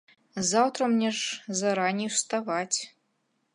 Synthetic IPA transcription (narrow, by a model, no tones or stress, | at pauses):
zawt̪rɐmnʲɛʐzaɾanʲiwst̪avat͡sʲ